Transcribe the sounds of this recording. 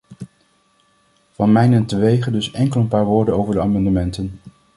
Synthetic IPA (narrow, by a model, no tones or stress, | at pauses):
v̥ɑnmɛjnɛntəʋejχədɵsɛŋkəlˠənpaːɹʋoːɹdənowvəɹdəaːmɑndəmɛntən